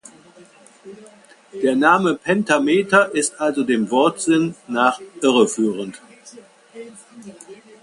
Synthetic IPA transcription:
d̥eːɐnaːməpʰɛntameːtɐʔɪstʔalzodeːmvɔɐtz̥ɪnːaːχʔɪʁəfyːʁənt

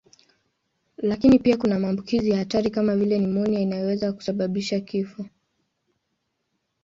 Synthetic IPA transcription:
lakinipiakunamaːmbukizijahataɾikamavilɛnimɔniainajɔwɛzaku̥saɓaɓiʃakifɔ

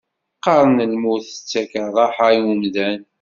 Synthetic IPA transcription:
qːɑɾˤənəlmuθə̥t͡sːækəðˤɑħaumðæn

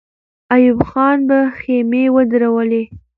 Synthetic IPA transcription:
ajʊbxɑnbaxemewəd̪ɾawəle

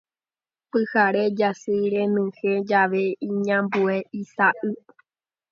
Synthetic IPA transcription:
pɨhaɾed͡ʒasɨɾẽnɨ̃hed͡ʒaʋe̞ĩɲãmbueisaʔɨ

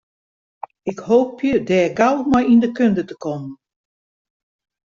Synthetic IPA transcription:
ɪkhoːpʰjədɛːɡawmɔjindəkøndətəkɔmən

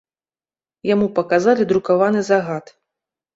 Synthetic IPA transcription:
jamupɐkazalʲid̪ɾukavanɨzaɣat̪

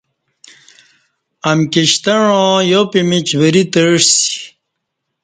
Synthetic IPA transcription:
ɐmkiɕt̪ɐɻõjopimit͡ɕwəɾit̪əʂsi̥

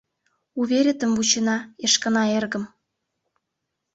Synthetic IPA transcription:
uβʲeɾʲet̪ə̆mvut͡ɕenɑeʃkə̆nɑerɣə̆m

